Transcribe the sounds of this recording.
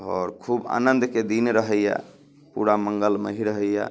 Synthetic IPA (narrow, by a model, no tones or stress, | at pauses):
ɔɾkʰuba̰nənd̪ked̪inɾəɦəja̰ | puɾaməŋɡəlmə̰ɦiɾəɦəja̰